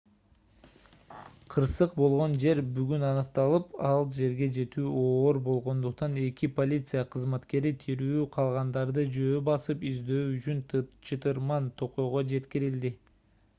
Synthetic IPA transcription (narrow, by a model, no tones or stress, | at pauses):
qʰɯɾsɯqbo̞lˠʁo̞nd͡ʒe̞ɾbyɡynɑnɯq̚t̪ɑlˠɯpɑlˠd͡ʒe̞ɾɡe̞d͡ʒe̞t̪yːoːɾbo̞lˠʁo̞nd̪uqt̪ɑne̞kʲipo̞lʲit̪sɨjɑqʰɯzmɑt̪ke̞ɾit̪ʰiɾyːqʰɑlˠʁɑnd̪ɑɾd̪ɯd͡ʒø̞ːbɑsɯpizd̪ø̞ːyt͡ʃynt͡ʃʰɯt̪ɯɾmɑnt̪ʰo̞qo̞jʁod͡ʒe̞t̪kiɾild̪i